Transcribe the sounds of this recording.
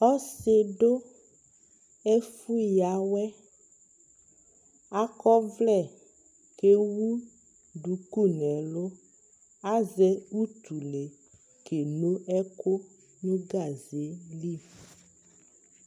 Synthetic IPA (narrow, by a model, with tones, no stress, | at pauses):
ɔ˦se˨ɖo˦ | e˦fu˦ja˨˦wɛ˦ | a˦kɔ˦vlɛ˨ | ke˦wu˦ | ɖu˨ku˦˨nɛ̃˨lo˦ | a˦zɛ˦u˦t̪u˨le˨ | kʰe˨nõ˦ʔɛ˦ko˦ | nũ˦ɡa˨ze˨˦li˦˨f